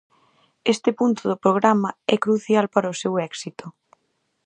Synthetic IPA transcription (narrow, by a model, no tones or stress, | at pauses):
est̪ɪpunt̪ʊðʊpɾoɣ̞ɾamɐɛkɾuθjalpaɾɐosewɛksit̪ʊ